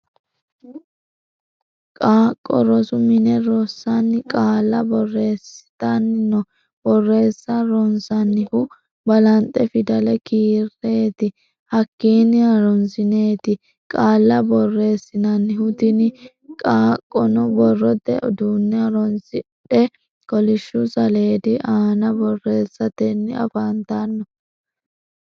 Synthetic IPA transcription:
kʼaːkʼːɔ̰ɾɔsʊmɪnɛɾɔsːɐnːɪkʼaːlːɐbɔrːe̞ːsɪ̥t̪ɐnːɪnɔ | b̥ɔrːe̞ːsːɐɾɔnsɐnːɪhʊ | bɐlɐnt̪ʼːɛfɪd̪ɐlɛkiːrːe̞ːt̪ɪ | hɐkːiːnɪɐɾɔnsɪne̞ːt̪ɪ | kʼaːlːɐbɔrːe̞ːsːɪnɐnːɪhʊt̪ɪnɪ | kʼaːkʼːɔnɔbɔrːɔd̪ɛʔɔd̪unːɪɐɾɔnsɪɗɛ | kɔlɪʃːʊsɐle̞ːd̪ɪʔaːnɐbɔrːe̞ːsːɐt̪ɛnːɪɐ̰fant̪anːɔ

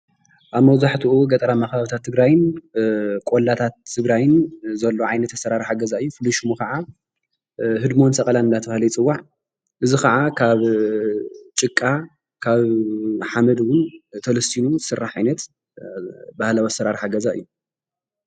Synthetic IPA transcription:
ʔaβmɐwzaħt̪ʰuʔuɡɐt̪ʼɐɾamaxβaβit̪ʰat̪ʰːɨɡɾajɪn | kʼolat̪ʰat̪ʰːɨɡɾajɪnzɐlːo̞ʕajnɐt̪ːɐsːɐɾaɾħaɡɐzaɨjːufɨlːuʃɪmukɐʕa | ɦɨd̪mo̞nsɐkʼɐlanɨndat̪ʰɐfahlɐjt͡sʼɨwːaʕ | ʔɨzikɐʕakʰaβ | t͡ʃʼɨkʼːa | kʰaβħamɐd̪wʊnt̪ʰɐlɐst̪ʰinuzsɨrːaħʕajnɐt̪ | bahlawɐsɐɾaɾħaɡɐzaɨ̰jːu

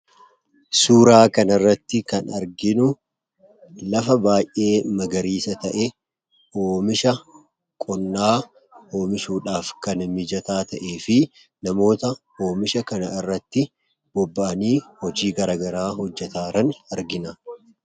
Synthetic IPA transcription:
suːɾaːkɐnɐɪrːɐt̪ːɪkɐnɐɾɡɪnʊ | lɐfɐbaːjʔe̞ːmɐɡɐɾiːsɐt̪ɐʔɛ | oːmɪʃɐ | kʼɔnːaː | o̞ːmɪʃuːᶑaːfkɐnmɪd͡ʒɐt̪aːt̪ɐʔe̞ːfɪ | nɐmo̞ːt̪ɐ | o̞ːmɪʃɐkɐnɐɪrːɐt̪ːɪ | b̥ɔbːaːniːhɔd͡ʒiːɡɐɾaːɡɐɾaːɦɔd͡ʒːɛt̪aːɾɐnɐɾɡɪna

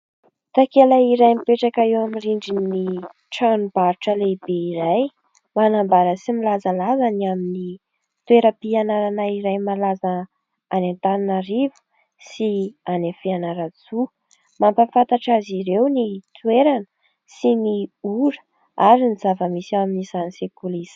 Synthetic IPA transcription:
t̪akelaiɾajmipeʈ͡ʂakaewamiriɳɖ͡ʐinni | ʈ͡ʂanub̥aɾʈ͡ʂəlebeiɾaj | manambaɾəsimilazalazaniamini | t̪weɾəpianaɾanaiɾajmalaza | anent̪aninaɾivu̥ | sianafianaɾat͡su | mampafant̪aʈ͡ʂaziɾewnit̪ueɾanə̥ | siniuɾə̥ | aɾiniz̥avəmisaminizanisekulisə̥

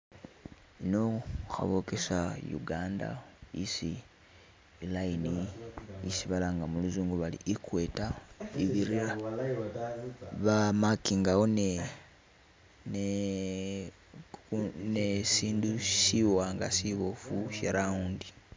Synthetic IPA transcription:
inoxa̰βokesajṵɡaːnda̰ḭsi | lainiisiβalaːŋɡamuluzuːŋɡuβalḭʔikwetaiβiɾia | βamakiːŋɡawone | n | nesiːndusiwaːŋɡa̰siβofuʃeɾauːndi

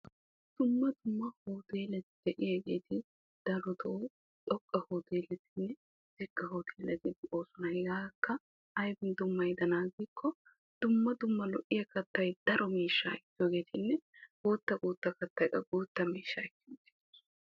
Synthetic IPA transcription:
d̪̥ʊmːɐd̪ʊmːɐhoːt̪eːlɛt̪ɪd̪̥ɛʔɪjɐɡeːt̪ʰɪ | d̪̥ɐɾɔt̪ɔ | t̪ʼɔkʼːɐhoːt̪eːlɛt̪ɪnːɛ | d̪̥ɪɡːɐhoːt̪ʰeːlɛt̪ɪtːʔoːsʊnɐjɡaːkːɐ | ɐjbɪnd̪ʊmːɐjd̪ɐnaːɡɪkʰːɔ | d̪̥ʊmːɐd̪ʊmːɐlɔʔɪjɐkɐt̪ːɐjd̪̥ɐɾɔmiːʃːa̰ːɪt̪ːjoːɡe̞ːt̪ɪnːɛɡ̥uːt̪ːɐkʼuːt̪ːɐkɐt̪ːɐjkʼɐɡuːt̪ːɐmiːʃːaɪkːɪnt̪i̥ː

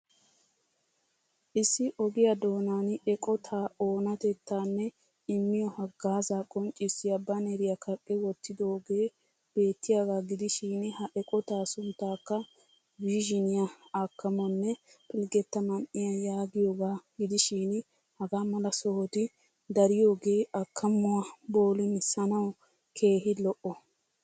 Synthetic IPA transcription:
ʔɪsːɪʔɔɡɪjɐd̪o̞ːnaːnɛkʼɔt̪ʰaːoːnɐt̪ɛt̪ʰːaːnːɛ | ɪmːɪjɔhɐɡaːzaːkʼɔnt͡ʃʼːɪsɪjɐbɐnɛɾɪjɐkɐkʼːɛwɔt̪ːɪd̪oːɡeː | b̥e̞ːt̪ːɪjaɡaːɡɪd̪ɪʃiːnhɐʔɛkʼɔt̪aːsʊnt̪ːaːkːɐ | wiːʒɪnɪjɐɐkːɐmɔnːɛpʰɪlɡɛt̪ːɐmɐnʔɪjɐjaːɡɪjoːɡaːɡ̥ɪd̪ɪʃiːn | hɐɡaːmɐlɐsɔhɔt̪ɪ | d̪ɐɾɪjo̞ːɡe̞ːʔɐkʰːɐmʊwɐbo̞ːlɪnɪsɐnɐw | kʰe̞ːɦɪlɔʔɔ

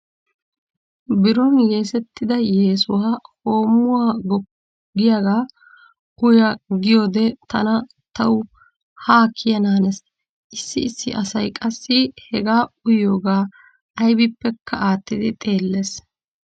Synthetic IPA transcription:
bɪɾɔnje̞ːsɛt̪ːɪd̪ɐjeːsʊwaaho̞ːmːʊwaːɡɔ | ɡɪjaɡaː | ʊjɐɡɪjoːd̪ɛt̪ɐ̰nɐ | t̪ɐw | haːkʰːɪjɐnaːnɛs | ʔɪsːɪɪsːɪ̰ʔɐsɐjkʼɐsːɪhɛɡaːʊjo̞ːɡaː | ʔɐjbɪpːɛkʰːɐaːt̪ːɪd̪ɪt̪ʼe̞ːlːeːs

